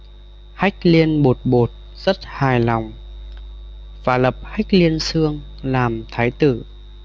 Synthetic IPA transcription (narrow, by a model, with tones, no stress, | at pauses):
ha˦˥jk̟̚li˧ənɓo˨˩t̚ɓo˨˩t̚ | z̥ə˦˥t̚haː˨˩jlɔ˨˩wŋ͡m | vaː˨˩lə˨˩p̚ha˦˥jk̟̚li˧ənsɨ˧əŋ | laː˨˩mt̪ʰaː˨˦jt̪ɨ˧˩